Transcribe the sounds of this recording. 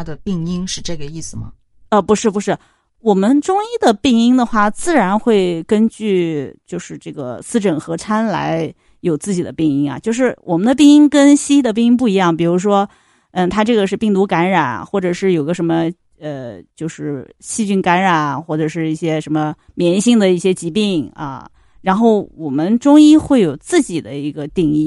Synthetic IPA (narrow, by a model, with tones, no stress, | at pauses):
a˥d̪ə˨pi˥˩ŋi˥ŋʂɻ̩˥˧ʈ͡ʂɤ˥˩ɡə˩i˥˩sɹ̩˨˩mɐ̰˩ | ə˧pu˧˥ʂɻ̩˥˩pu˧˥ʂɻ̩˥˩ | wɔ˨˩mə˦nʈ͡ʂʊ˥ŋi˥˩d̪ə˩pi˥˩ŋi˥ŋd̪ə˨xwa˥˩t͡sɹ̩˥˩ɻa˧˥nxwe˥˩ɪkə˥nt͡ɕy˥˧t͡ɕjo˥˧ʊʂɻ̩˥˧ʈ͡ʂɤ˥˩ɡə̰˩sɹ̩˥˩ʈ͡ʂə˨˩nxɤ˧˥t͡sʰa˥nla̰˧˥ɪ | jo˨˩ʊt͡sɹ̩˥˩t͡ɕi˨˩d̪ə˦pi˥˩ŋi˥ŋɐ̰˧t͡ɕjo˥˧ʂ̬ɻ̩˥˩wʔɔ̰˨˩mə˦nd̪ə˧p̬i˥˧ŋi˥ŋkə˥nɕi˥i˥˩d̪ə˩p̬i˥˧ŋi˥ŋp̬u˥˩i˧˥jɑ˥˩ŋpi˨˩ɻu˧˥ʂ̬wɔ˥ | ə˥˧t̪ʰa˥ʈ͡ʂɤ˥˩ɡə˩ʂɻ̩˥˧pi˥˩ŋt̪u˧˥ka˧˥nɻa˨˩˦nxwɔ˥˩ʈ͡ʂɤ˨˩ʂɻ̩˥˩jo˨˩ɡə˧ʂə˧˥nmə˧ | ə˧t͡ɕjo˥˧ʊʂɻ̩˥˧ɕi˥˧t͡ɕy˥˩nka˧˥nɻa˨˩˦nxwɔ˥˩ʈ͡ʂɤ˨˩ʂɻ̩˥˧i˥˩ɕjɛ˥ʂə˧˥nmə˧ | mjɛ˧˥nɕi˥˩ŋd̪ə˩i˥˩ɕjɛ˥t͡ɕi˧˥pi˥˩ŋɐ̰˧˩ | ɻa˧˥nxo˥˩ʊwɔ˨˩mə˦nʈ͡ʂʊ˥ŋi˥xwe˥˩ɪjo˨˩ʊt͡sɹ̩˥˩t͡ɕi˨˩d̪ə˦i˧˥ɡə˧t̪i˥˧ŋi˥˩